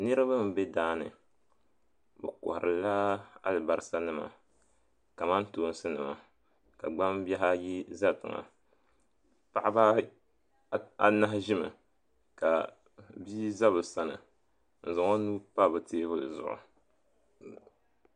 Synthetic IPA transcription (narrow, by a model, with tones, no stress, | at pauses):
nɨ˦ɾɨ˦ba˦m̩˨be˦daː˦nɨ̰˨ | bɨ˨ko̰˨hʊ˨ɾɨ˨la˦a̰˦lɨ˨ba˨ɾɨ˦sa˦nɨ˦ma̰˨ | ka˨ma˦ntoː˨˦n˦sɨ˦nɨ˨ma̰˨ | ka˨ɡ͡ba˦mbɛ˦ɦa˦ji˦za˦˨tɨ˨ŋa̰˨ | pa˨ʔa˦ba˦ | a˦na˦ɦʒɪ˦mɨ̰˨ | ka˨ | biː˦za˦βɨ˨sa˦nɨ̰˨ | n̩˨zʊ˨ŋo˦nuː˦pa˦˨bɨ˨teː˦bʊ˦lɨ̰˨zʊ̰˨ʔʊ̰˨